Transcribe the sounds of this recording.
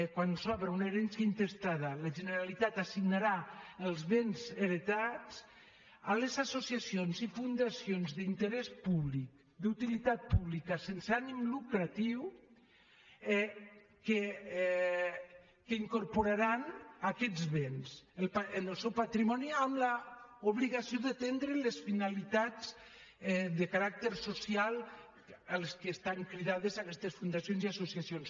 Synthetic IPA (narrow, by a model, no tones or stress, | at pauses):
kwanusɔβɾauneɾensjaint̪est̪aðalaʒeneɾalit̪at̪asiɡnaɾaəlˠzβenzeɾet̪at͡s | alezasosiasionzifund̪asionzðint̪əɾɛspuβlik | d̪ut̪ilit̪at̪̚puβlikasensanimlukɾat̪iw | ɛ | ke | kəiŋkoɾpoɾaɾanakɛzβenselpaenəlˠsɛwpat̪ɾimɔniamlaoβliɣasijoðat̪end̪ɾelesfinalit̪az | ɛðəkaɾak̚t̪eɾsosijalˠ | alskeːst̪aŋkɾiðað̞ezakɛst̪esfund̪asjonziasosiasjons